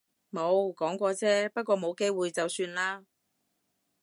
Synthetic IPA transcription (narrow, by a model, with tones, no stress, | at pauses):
mo˨˧wkɔː˨˥ŋkʷɔː˧t͡sɛː˥pɐ˥t̚kʷɔː˧mo˨˧wke˥jwuː˨jt͡sɐ˨wsyː˧nlaː˥